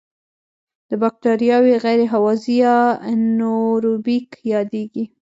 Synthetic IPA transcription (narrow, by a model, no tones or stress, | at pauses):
d̪̥əbak̚ʈaɾjɑweɣajɾeɦawɑzijanoɾubikjɑd̪eɡi